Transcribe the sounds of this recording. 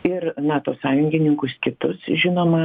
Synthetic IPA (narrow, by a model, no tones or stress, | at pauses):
ɪrnɑːt̪oːsɑːjʊŋʲɡʲɪnʲɪŋkʊskʲɪt̪ʊsʒʲɪnoːmɐ